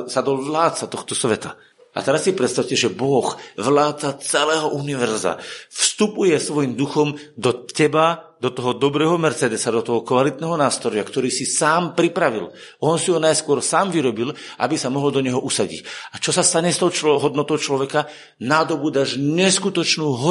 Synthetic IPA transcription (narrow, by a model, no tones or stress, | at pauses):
sad̪ɔʋlaːt͡sat̪ɔxt̪ɔsʋɛt̪a | ʔa̰t̪ɛɾasːipɾɛt̪st̪aʊcɛʒɛbɔxʋlaːt̪t͡sat͡sɛlɛːɦɔʔuniʋɛɾza̰fst̪upujɛsʋɔjimd̪uxɔmd̪ɔcɛbad̪ɔt̪ɔɦɔd̪ɔbɾɛːɦɔmɛɾt͡sɛd̪ɛsad̪ɔt̪ɔɦɔkʋalit̪̚nɛːɦɔnaːst̪ɾɔjakt̪ɔɾiːsisaːmpɾipɾaʋḭl | ɔnsiɦɔnajskʊɔɾsaːmviɾɔbilʔa̰bisamɔɦɔld̪ɔɲɛɦɔʔusaɟḭcat͡ʃɔsast̪aɲɛst̪ɔʊt͡ʃɦɔd̪nɔt̪ɔʊt͡ʃlɔʋɛka | nad̪ɔbud̪aʒɲɛskut̪ɔt͡ʃnuːɦɔ